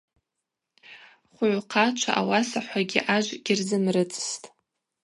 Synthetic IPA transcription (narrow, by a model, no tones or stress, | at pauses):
χʷʊʕʷqʰat͡ʃʷʰa̰ʔawasaħʷaɡʲḭʔaʒʷɡ̥ʲɪrzɨmrɨt͡sʼstʼ